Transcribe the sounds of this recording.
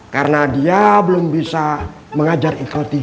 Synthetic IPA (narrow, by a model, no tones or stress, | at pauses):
kaɾənadiabəlʊmbisa | məŋad͡ʒarikot̪i